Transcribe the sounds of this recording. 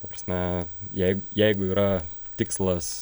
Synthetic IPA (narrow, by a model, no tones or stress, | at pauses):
t̪ɐpɾɐsʲmʲɛjɛɪɡʊjɛɪɡʊiːɾɐt̪ʲɪkslˠɐs